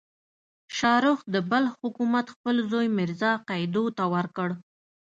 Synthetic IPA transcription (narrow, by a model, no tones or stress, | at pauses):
ʃɑɾʊxd̪əbəlhʊkumat̪xpəlzojmɪɾzɑqɑjd̪ot̪awəɾkəɽ